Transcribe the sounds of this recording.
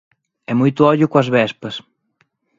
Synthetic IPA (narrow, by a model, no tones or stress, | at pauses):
ɛmujt̪ʊɔʎʊkoɐzβɛspɐs